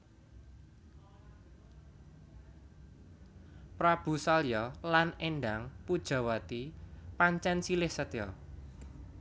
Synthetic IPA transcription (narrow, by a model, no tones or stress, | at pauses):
pɾab̥ṳsɔljɔlanenɖaŋpud̥ʒ̥a̤wat̪ipaɲt͡ʃɛnsilɪhsət̪jɔ